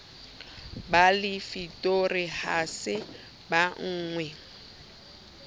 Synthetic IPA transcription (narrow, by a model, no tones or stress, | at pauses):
balɪfitʼorɪhasɪ | baŋ̩ːŋwɛ